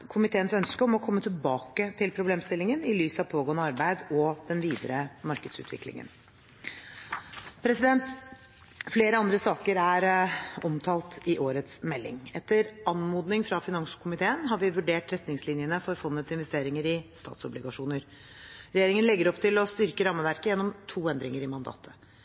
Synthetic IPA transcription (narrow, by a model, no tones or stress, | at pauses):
kʰʊmɪt̪ʰeːənsœnskəɔmɔkʰɔmːət̪ʰɪlbɑːkət̪ʰɪlpʰɾʊbleːmst̪ɪlːɪŋənɪlyːsɑʋpʰoːɡoːənəɑɾbæɪd̪ɔd̪̥ɛnʋiːd̪əɾəmɑɾkəd̪sʉ̰t̪ʰʋɪ̰klɪ̰ŋə̰n | pʰɾɛsɪd̪ɛnt̪ | fleːɾəɑnd̪ɾəsɑːkəɾæɾɔmt̪ʰɑːlt̪ʰɪʔoːɾət̪smɛlːɪ̰ŋɛt̪ːəɾʔɑnmuːd̪nɪŋfɾɑfɪnɑŋskʰʊmɪt̪ʰeːənɦɑɾʋɪʋʉɖeːʈɾɛt̪nɪŋslɪnjənəfɔɾfɔnːət̪sɪnʋɛst̪eːɾɪŋəɾɪst̪ɑ̰ːt̪sɔblɪɡɑʂuːnəɾ | ɾɛjeːɾɪŋənlɛɡːəɾɔpt̪ʰɪlɔst̪ʏɾkəɾɑmːəʋæɾkəjɛnːɔmt̪ʰuːɛnd̪ɾɪŋəɾɪmɑnd̪ɑ̰ːt̪ʰə̥